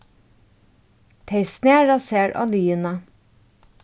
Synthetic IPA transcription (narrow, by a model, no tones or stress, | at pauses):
t̪ʰeɪsneːɹɑseːɾʔɑ̰ːlyːənə